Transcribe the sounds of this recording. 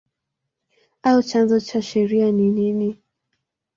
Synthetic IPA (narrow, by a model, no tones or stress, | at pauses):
aɔt͡ʃanzɔt͡ʃaʃɛɾianinini